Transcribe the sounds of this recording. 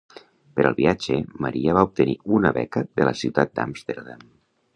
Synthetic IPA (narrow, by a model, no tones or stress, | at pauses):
pəɾʔə̰lˠβiad͡ʒeməɾiəβaup̚t̪əniunəβɛ̰kəðələsiwt̪at̪̚d̪a̰mst̪eɾðam